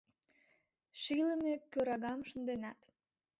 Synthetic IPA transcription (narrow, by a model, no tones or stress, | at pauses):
ʃiləmekøɾɑɣɑmʃənd̪enɑt̪